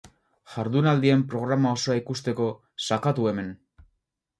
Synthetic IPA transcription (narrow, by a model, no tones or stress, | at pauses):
ʝaɾðunald̪ie̞mpɾo̞ɣ̞ɾamao̞so̞aikust̪e̞ko̞ | sakat̪ue̞me̞n